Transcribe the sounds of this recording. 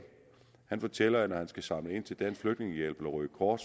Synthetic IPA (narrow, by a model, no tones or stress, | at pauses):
hænfɒt͡sʰel̰ɐjnɒhænsɡ̥æsɑ̈mləe̝nt͡sʰe̝ld̥ænsfløɡ̥ne̝ŋəjel̰b̥lɒʁyɡ̥kʰɒːd̥s